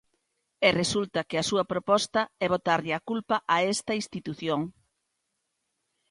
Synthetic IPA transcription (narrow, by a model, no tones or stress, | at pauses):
eresult̪ɐkeɐsuɐpɾopɔst̪ɐɛβ̞ot̪aɾʎɪakulpɐʔaɛst̪ɐinst̪it̪uθjoŋ